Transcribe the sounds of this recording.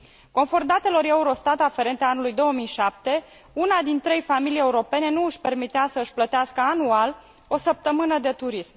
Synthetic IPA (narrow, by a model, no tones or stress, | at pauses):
ko̞nford̪at̪e̞lo̞ɾe̞uɾo̞st̪at̪afe̞ɾe̞nt̪eaanulujd̪o̞ːəmijʃap̚t̪e̞ | unad̪int̪ɾe̞jfamilije̞uɾo̞pe̞ne̞nuɨʃpe̞rmit̪easəɨʃʲplət̪easkəanual | o̞səp̚t̪əmɨnəd̪e̞t̪uɾism